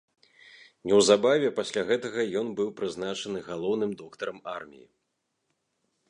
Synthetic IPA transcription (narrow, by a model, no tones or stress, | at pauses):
nʲɛwzabavʲɛpasʲlʲaɣɛt̪ɐɣɐjɔnbɨwpɾɨznat͡ʂɐnɨɣalˠɔwnɨmd̪ɔkt̪ɐɾɐmarmʲḭjḭ